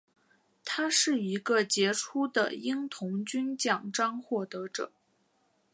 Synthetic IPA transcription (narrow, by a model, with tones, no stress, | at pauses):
t̪ʰa˥ʂɻ̩˥˩i˧˥ɡə˧t͡ɕjɛ˧˥ʈ͡ʂʰu˥d̪ə̰˨i˥ŋt̪ʰʊ˧˥ŋt͡ɕy˥nt͡ɕjɑ˨˩ŋʈ͡ʂɑ˥ŋxwɔ˥˩t̪ɤ˧˥ʈ͡ʂɤ̰˨˩˦